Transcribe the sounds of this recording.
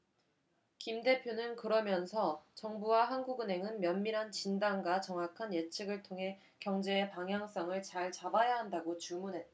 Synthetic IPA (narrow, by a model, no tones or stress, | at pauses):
kimde̞pʰjonɯnkɯɾʌmjʌnsʰʌt͡ɕʌŋbuwaɦanɡuɡɯne̞ŋɯnmjʌnmiɾɦant͡ɕindaŋɡwat͡ɕʌŋakʰanjet͡ɕʰɯɡɯɭtʰoŋɦe̞ | kjʌŋd͡ʑe̞ːpaŋɦjaŋs͈ʌŋɯɭt͡ɕaɭt͡ɕabajaɦandaɡot͡ɕumunɦe̞t͈̚a